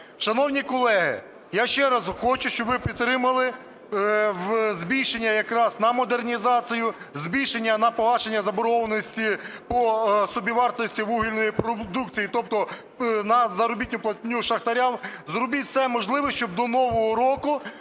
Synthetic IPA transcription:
ʃɐnɔwnʲikɔlˠɛɦɪ̰ | jaʃt͡ʃɛɾɐzxɔt͡ʃʊʃt͡ʃɔbʋɪpʲit̪ːɾɪmɐlˠɪ | wzʲbʲijʃenʲːɐjɐkɾɑznɐmɔd̪ernʲizɑt͡sʲijʊ | zbʲijʃenʲːɐnɐpɔlˠɑt͡ʃenʲːɐzɐbɔɾɔʋɐnɔsʲtʲipɔsɔbʲiʋɑrt̪ɔsʲtʲiʋuɦilʲnɔjipɾɔd̪ukt͡sʲijit̪ɔp̚t̪ɔ | nɐzɐɾɔbʲitʲnʲʊplˠɐt̪ʲnʲuʃɐxt̪ɐɾʲanzɾɔbiwt̪sɛmɔʒlˠɪʋɔʃt͡ʃɔb̚d̪ɔnɔʋɔɦɔɾɔkʊ

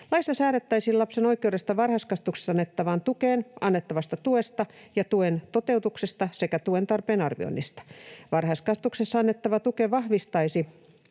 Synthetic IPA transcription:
lɑist̪ːɑsæːɾet̪ːɑisilɑpseno̞ikˑeudest̪ɑʋɑrhɑskɑst̪ukse̥sɑnːet̪ːɑʋɑnt̪ukeːnɑnːet̪ːɑʋɑst̪ɑt̪uest̪ɑjɑt̪uent̪ot̪e̞ut̪uksest̪ɑsekæt̪uent̪ɑrpeːnɑrʋḭo̰inːist̪ɑ̥ʋɑrhɑskɑst̪uksesːɑɑnːet̪ːɑʋɑt̪ukeʋɑhʋist̪ɑisi

